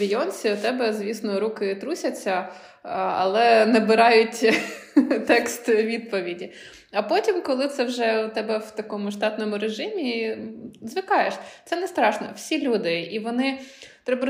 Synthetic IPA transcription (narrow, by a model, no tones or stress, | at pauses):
ɪjɔnʲsʲiʊt̪ɛbɛzʲʋʲisnɔɾukɪt̪ɾusʲɐt͡sʲːɐ | ɐ̰lˠɛnɛbɪɾɑjʊtʲ | t̪ɛkst̪ʋʲid̪̚pɔʋʲidʲi | ɐpɔtʲimkɔlˠɪt̪sɛwʒɛt̪ɛbɛwt̪ɐkɔmʊʃt̪ɑt̪nɔmʊɾeʒɪmʲi | zʋɪkɑjeʃt̪sɛnɛst̪ɾɑʃnɔ̰wsʲilʲud̪ɪiʋɔnɪt̪ɾɛbɐ